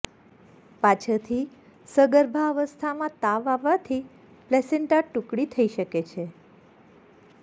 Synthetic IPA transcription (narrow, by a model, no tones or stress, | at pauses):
pat͡ʃʰət̪ʰi | səɡəɾbʱaəʋəst̪ʰamãt̪aʋaʋat̪ʰi | plɛseɳʈaʈukɽit̪ʰəiʃəket͡ʃʰe